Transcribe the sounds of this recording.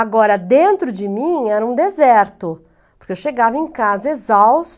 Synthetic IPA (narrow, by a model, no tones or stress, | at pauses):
aɡɔɾɐd̪ẽnt̪ɾʊd͡ʒɪmĩɛɾɐũd̪ezɛɾt̪ʊ | poɾkeewʃeɡavɐẽkazɐezaws